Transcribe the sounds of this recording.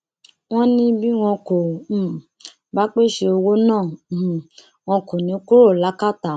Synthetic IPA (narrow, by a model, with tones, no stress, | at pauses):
w̃ɔ̃˦nĩ˧bi˦w̃ɔ̃˧ko˨ | ba˨˦k͡pe˦˨ʃe˧o˧wo˦nãː˦˨ | w̃ɔ̃˧ko˨nĩ˨˦ku˦ɾo˦˨la˨˦ka˦˨ta˨